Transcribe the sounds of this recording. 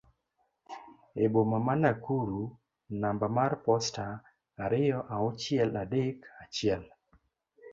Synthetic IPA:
ebomamanakuɾu | nambamarpɔstaː | ɾɪjɔʔaɔt͡ʃɪɛladekat͡ʃɪɛl

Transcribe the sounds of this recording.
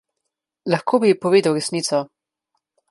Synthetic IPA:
lɐxkʰoːbipɔʋeːd̪ɐwɾɛsniːt̪sɔ

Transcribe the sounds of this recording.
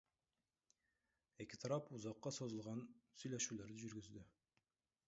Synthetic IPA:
ekʲɪ̥t̪ʰɑɾɑpuzɑqːɑsozə̆lˠʁɑnsɵjlæʃʉlæɾd̪ɘʒʏɾɡʏzd̪ɪ

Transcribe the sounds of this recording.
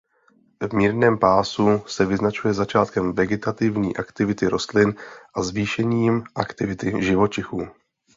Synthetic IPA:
vmiːɾnɛːmpaːsusɛvɪznat͡ʃujɛzat͡ʃaːt̪kɛmvɛɡɛt̪at̪ɪvɲḭːʔakt̪ɪvɪt̪ɪɾo̞st̪lɪnʔazviːʃɛɲiːmʔakt̪ɪvɪt̪ɪʒɪvo̞t͡ʃɪxuː

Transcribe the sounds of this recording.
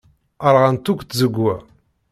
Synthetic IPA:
əɾˤʁant̪ukʷt̪zəɡːæ

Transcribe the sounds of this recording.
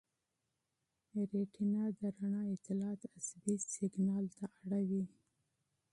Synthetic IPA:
ɾeʈinad̪əɾaɳɑɪt̪ɪlɑt̪asbisɪɡnɑlt̪aʔaɽawi

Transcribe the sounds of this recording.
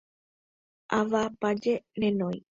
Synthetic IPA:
ʔaʋapad͡ʒenẽnõj̃

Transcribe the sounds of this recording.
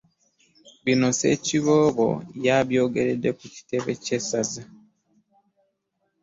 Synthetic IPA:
βino̞se̞̰ciβoβo̰jaβjo̞ːɡe̞ɾede̞kuci̥te̞βece̞saza

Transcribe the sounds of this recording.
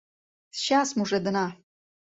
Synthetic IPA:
sʃasmuʐed̪ɨna

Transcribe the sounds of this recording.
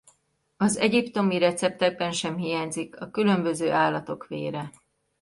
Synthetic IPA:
ɒzɛɟipt̪o̞miɾɛt̪sɛp̚t̪ɛɡ̚bɛnʃɛmɦijaːɲzikɒkylø̞mbø̞zøːʔaːlːɒt̪o̞kʋḛːɾɛ

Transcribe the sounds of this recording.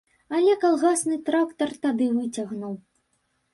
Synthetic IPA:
ɐlʲɛkalˠɣasnɨt̪ɾakt̪ɐrt̪ad̪ɨvɨt͡sʲaɣnuw

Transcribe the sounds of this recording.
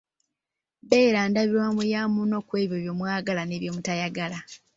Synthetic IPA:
beːɾaːndaβiɾwamujamuno̞kwe̞ːβjo̞βjo̞mwaːɡalane̞βjo̞mutajaɡala

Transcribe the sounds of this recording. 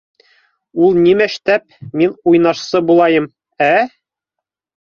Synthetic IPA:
ulˠnimæʃt̪æp̚minujnɑʃsɤbulˠɑjɤm | æ

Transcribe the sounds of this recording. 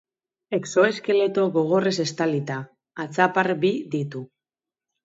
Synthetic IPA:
e̞kso̞e̞ske̞le̞t̪o̞ɣo̞ɣ̞o̞re̞se̞st̪alit̪aː | t͡sapaɾbiðit̪u

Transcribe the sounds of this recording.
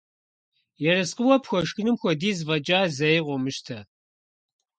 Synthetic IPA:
jɛrɐsqəwɔpxʷɔʃxɨnɨmxʷɔdiːzvɐd͡ʒʼaːzɐjʁʷɔmɨʃtʰɐ

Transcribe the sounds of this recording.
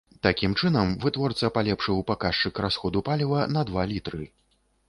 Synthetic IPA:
t̪akʲimt͡ʂɨnɐmvɨt̪vɔrt̪sɐpalʲɛpʂɨwpakaʂt͡ʂɨkrasxɔd̪upalʲivɐnɐd̪valʲit̪ɾɨ

